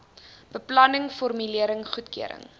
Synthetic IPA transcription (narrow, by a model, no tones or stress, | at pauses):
b̥əplɐnəŋfɔrmyliəɾəŋχutkiəɾə̰ŋ